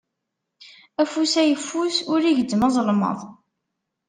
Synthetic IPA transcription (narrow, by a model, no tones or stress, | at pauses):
æfusæjəfːusʊɾiʝəd̪ːmɑzˤlmə̰ðˤ